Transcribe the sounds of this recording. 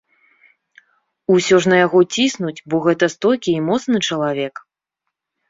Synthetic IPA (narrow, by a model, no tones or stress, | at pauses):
usʲɔʐnɐjaɣɔt͡sʲisnut͡sʲbɔɣɛt̪ɐst̪ɔlʲkʲiːmɔt̪snɨt͡ʂɐlˠavʲɛk